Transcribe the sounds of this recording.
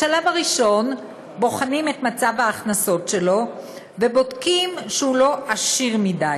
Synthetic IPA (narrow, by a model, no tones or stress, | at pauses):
ʃalavaʁiʃo̞n | bo̞χanimetmat͡savhaːχnaso̞tʃe̞lo̞ | ve̞bodkimʃeulo̞ʔaʃiʁmidaj